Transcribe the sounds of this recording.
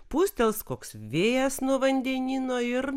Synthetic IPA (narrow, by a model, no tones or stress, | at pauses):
puːsʲt̪ʲɛlˠskoːksʋʲeːjɛsnuɔʋɐnʲd̪ʲɛnʲiːnoːɪr